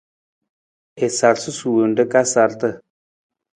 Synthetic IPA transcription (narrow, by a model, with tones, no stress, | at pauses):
e˨sa˨ɾsu˦su˨wə˨nɖə˦ka˦sa˨ɾt̪ə˦˨